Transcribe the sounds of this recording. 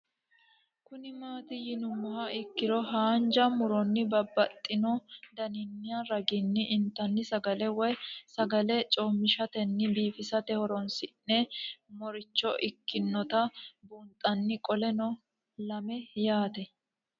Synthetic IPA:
kʊnɪmaːt̪ɪjɪnʊmːʊhɐɪkːɪɾɔɦaːnd͡ʒɐmʊɾɔnːɪbɐbːɐt̪ʼːɪnɔd̪ɐnɪnːɪjaɾɐɡɪnːɪʔɪnt̪ːɐnːɪsɐɡɐlɛwɔjsɐɡɐlɛt͡ʃʼoːmːɪʃɐt̪ɛnːɪbiːfɪsɐt̪ɛhɔɾɔnsɪnnɛmɔɾɪt͡ʃːɔʔɪkːɪnːɔt̪ɐbunt̪ʼɐnːɪkʼɔlɛnɔ | lɐmɛjaːt̪ɛ

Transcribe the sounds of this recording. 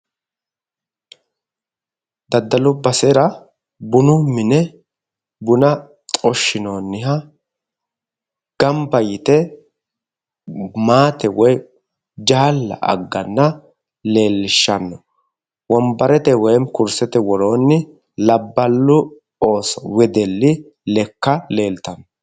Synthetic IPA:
d̪ɐd̪ːɐlʊbɐsɛɾɐ | bʊnʊmɪnɛ | bʊnɐ | t̪ʼɔʃːɪno̞ːnːɪɦɐ | ɡ̥ɐmbɐjɪt̪ɛ | maːt̪ɛwɔj | d͡ʒaːlːɐ̰ʔɐ̰ɡːɐnːɐ | le̞ːlːɪʃːɐnːɔ | wɔmbɐɾɛt̪ɛwɔjmkʊɾsɛt̪ɛwɔɾo̞ːnːɪ | lɐbːɐlːʊ | o̞ːsɔwɛd̪ɛlːɪ | lɛkːɐle̞ːlt̪ɐnːɔ

